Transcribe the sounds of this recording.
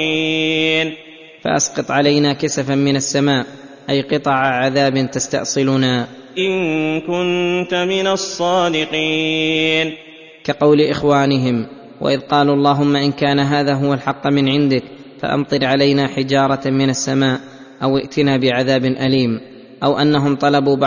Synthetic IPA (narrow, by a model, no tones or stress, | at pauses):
in | fa̰ʔɑ̰sqɑt̪ˤʕalajnaːkasafamɪnasːamaːʔ | ʔajqɨt̪ˤɑʕaʕaðaːbɪnt̪ast̪a̰ʔsˤɨlʊnaː | ʔɪŋkʊnt̪mɪnasˤːɑːd̪ɪqiːn | kɑqɑwlɪʔɪxwaːnɪɦɪm | wa̰ʔɪðqɑːluːʔɑlˤːɑːɦʊmːaʔɪnkaːnaɦaːðaːɦʊwalħɑqːmɪnʕɪnd̪ɪk | fa̰ʔɑ̰mt̪ˤɨɾʕalajnaːħɪd͡ʒɑːɾˤɑmɪnasːamaːʔ | ʔawʔɪ̰ʔt̪ɪnaːbɪʕaðaːbnʔaliːm | ʔawʔanːaɦʊmt̪ˤɑlɑbuːb